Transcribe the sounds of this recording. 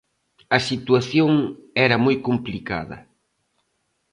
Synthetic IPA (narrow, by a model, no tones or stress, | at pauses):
ɐsit̪waθjoŋɛɾɐmojkomplika̰ðɐ̰